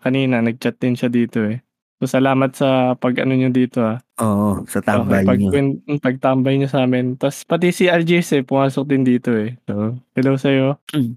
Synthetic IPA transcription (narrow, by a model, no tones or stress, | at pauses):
kɐniːnɐnɐɡ̚t͡ʃɐt̪̚d̪ɪnʃad̪iːt̪o̞ɛ | sosɐlaːmɐt̪̚sɐpɐɡʔɐ̰noɲod̪iːt̪o̞aʔoːʔosɐt̪aoːkjjpɐɡɛnpɐɡ̚t̪ambɐjɲosaːmɪnt̪ɐspɐt̪isiʔɐɹd͡ʒiɛsɛpʊmaːsok̚d̪ɪnd̪iːt̪o̞ɛsohɛlowsɐjo̞